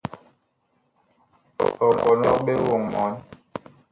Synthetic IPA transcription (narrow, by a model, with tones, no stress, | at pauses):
ɔ˨bɔ˨nɔ˦kɓe˦wo˨ŋmɔ̰˨˦n